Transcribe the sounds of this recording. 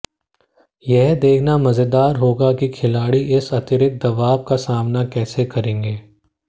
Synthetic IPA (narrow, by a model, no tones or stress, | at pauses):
jɛɦd̪eːkʰnamɐzəd̪aːɾɦoːɡakikʰɪlaːɽiʔɪsɐt̪ɪɾɪk̚d̪ɐʋaːb̚kasaːmnakɛːsekɐɾẽːŋɡeː